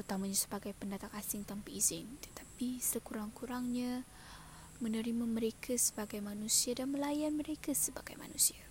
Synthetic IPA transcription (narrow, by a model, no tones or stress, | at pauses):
ut̪amaɲasə̥baɡajpəndat̪aŋasɪŋt̪ampiizɪnt̪ə̥t̪ḁpisəkuɾaŋkuɾaŋɲa | mənəɾimaməɾekʰasə̥baɡajmanusiadanməlajanməɾekasəba̰ɡ̥a̰jma̰nusia